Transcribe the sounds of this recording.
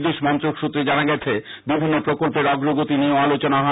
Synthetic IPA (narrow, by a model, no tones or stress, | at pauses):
d̪eʃmɔnt̪ɾokʃut̪ːɾed͡ʑanaɡɛt͡ɕʰe | bibʱinːopɾokolpeɾɔɡɾoɡot̪inioalot͡ɕonaɦɔ